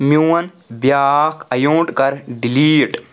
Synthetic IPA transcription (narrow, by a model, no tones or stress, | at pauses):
miwɐn | bjaːkɐjuʈkɐɾɖiliːʈ